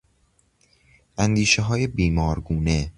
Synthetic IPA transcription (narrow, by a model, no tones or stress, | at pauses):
ʔænd̪iːʃeɦɒːjebiːmɒːɾɡuːne